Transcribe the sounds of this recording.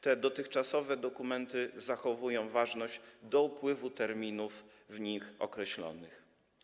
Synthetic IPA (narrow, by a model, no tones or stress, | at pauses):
t̪ɛd̪ɔt̪ɘxt͡ʂasɔvɛd̪ɔkumɛnt̪ɘzaxɔvujɔ̃w̃vaʐnɔʑd̪ɔupwɘvut̪ɛɾmʲinuf | vɲixɔ̰kɾɛɕlɔ̰nɘx